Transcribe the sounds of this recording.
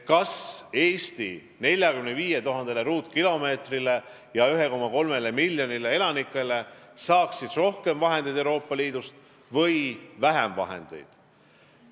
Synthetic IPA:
kɑse̞ːst̪i | ne̞lʲjɑkymneviːje̞t̪uɦɑnd̪eleɾuːt̪ˑkilo̞me̞ːt̪rile̞ | jɑyɦe̞ko̞mːɑko̞lme̞lemilʲjo̞nile̞e̞lɑnikːˑe̞le̞sɑːksid̪̥ro̞hke̞mvɑɦe̞nd̪ed̪euwɾo̞ːpːˑɑliːd̪̥ust̪ | vɤ̞jvæɦɛmvɑ̰ɦe̞̰nd̪̥e̞̰jd̪̥

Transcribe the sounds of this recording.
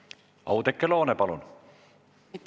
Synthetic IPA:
ɑ̰wd̪ekːelo̞ːnepɑlun

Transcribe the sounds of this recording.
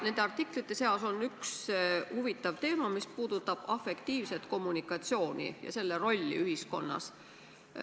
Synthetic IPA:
ne̞nd̪̥eɑrt̪ːiklit̪ːˑe̞se̞oso̞nːykshuvit̪ːˑɑvt̪e̞ːmɑmispuːd̪̥ut̪ːˑɑb̥ɑfe̞kt̪iːvse̞t̪ko̞mːunikːˑɑt̪sio̞ːnḭjɑ̰se̞lːeɾo̞lʲːḭyɦisko̞̰nːɑ̰s

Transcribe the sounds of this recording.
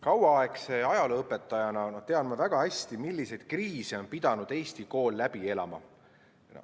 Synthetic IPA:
kɑwwɑɑe̞kse̞ɑjɑleɤpːˑe̞t̪ːˑɑjɑnɑnot̪e̞ɑd̪mɑvæɡ̥ɑhæsʲt̪imilːise̞jd̪̥̚kriːsio̞npid̪̥ɑnud̪̥e̞ːst̪iko̞ːlːæb̥ie̞lɑ̰mɑ̰ | n̰

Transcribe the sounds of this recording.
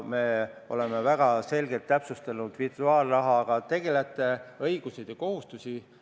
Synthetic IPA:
me̞ːo̞̰le̞mevæɡ̥ɑse̞lɡet̪ːæpsust̪ɑnud̪̥virt̪uɑːlrɑɦɑːɡ̥ɑt̪e̞ɡ̥e̞let̪ːˑeɤjɡ̥used̪̥eko̞ɦust̪usi

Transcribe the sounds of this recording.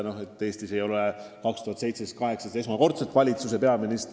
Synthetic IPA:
no̞he̞t̪ːˑeːst̪ise̞jo̞lekɑkst̪uhɑt̪sejt̪sest̪kɑɦe̞ksɑse̞smɑko̞rt̪set̪ˑvɑlʲit̪suse̞pe̞ɑminist̪

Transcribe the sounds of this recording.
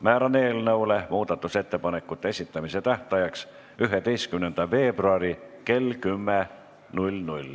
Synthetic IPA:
mæːɾɑne̞ːlnɤwlemuːd̪̥ɑt̪ːˑuse̞t̪ːe̞pɑne̞kːˑut̪ːˑesʲit̪ːɑmiset̪æht̪ɑjɑks | yɦet̪e̞jst̪̚kymnend̪̥ɑve̞ːbruɑɾike̞lkymːe | nulʲnulʲ

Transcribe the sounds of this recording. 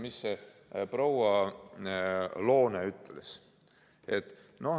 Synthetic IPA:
misːeprowɑ | lo̞ːneyt̪ːˑeles | e̞t̪ːˑno̞

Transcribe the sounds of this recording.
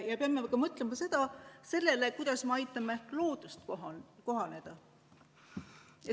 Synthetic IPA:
jɑpeɑmekɑmɤt̪ˑlemɑse̞d̪̥ɑse̞lːe̞lekujd̪̥ɑsmeɑjt̪ːˑɑmelo̞ːd̪̥ust̪koɦko̞ɦɑne̞d̪̥ɑ | e

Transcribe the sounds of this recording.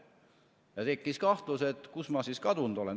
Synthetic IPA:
jɑt̪e̞kːˑiskɑht̪luse̞t̪ːkusmɑsiskɑd̪und̪̥o̞len

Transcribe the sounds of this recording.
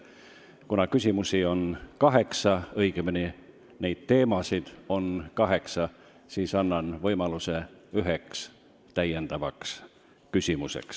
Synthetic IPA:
kunɑkysʲimusio̞nkɑɦe̞ksɑɤjɡ̥emini | ne̞jd̪̥̚t̪e̞ːmɑsid̪̥o̞nkɑɦe̞ksɑ | siːsɑnːɑnvɤjmɑluseyɦeks | t̪æjːend̪̥ɑvɑks | kysʲimusḛks

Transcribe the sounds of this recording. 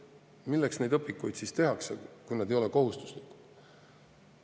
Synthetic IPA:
milːeksne̞jd̪̥ɤpːikːujd̪sist̪e̞ɦɑksekujnɑd̪ejo̞leko̞ɦust̪u̥slik̪ːˑ

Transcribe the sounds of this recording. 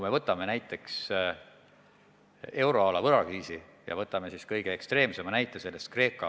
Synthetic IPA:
ume̞vɤt̪ːˑɑme̞næjt̪ːˑe̞ks | e̞wɾo̞ɑlɑvɤɾɑkiːsi | jɑ̰vɤt̪ːˑɑme̞siskɤjɡ̥eekst̪re̞ːmse̞mɑnæjt̪ːˑese̞lːe̞st̪̚kre̞ːkːˑɑ

